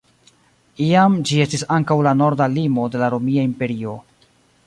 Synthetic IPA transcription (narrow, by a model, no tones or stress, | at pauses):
iamd͡ʒie̞stisaŋkawlano̞ɾdalimo̞de̞laɾo̞miaimpe̞ɾio̞